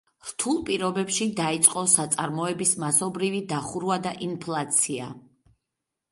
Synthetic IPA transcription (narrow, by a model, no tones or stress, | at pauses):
ɾ̥t̪ʰulˠpʼiɾɔbɛpʃid̪ait̪sʼqʼɔsat̪sʼaɾmɔɛbismasɔbɾivid̪aχuɾuad̪aʔinpʰlˠat̪sʰia̰